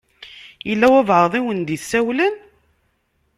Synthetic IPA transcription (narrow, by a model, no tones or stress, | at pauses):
jəlːæwævʕəðˤiwənd̪iθsːæwlən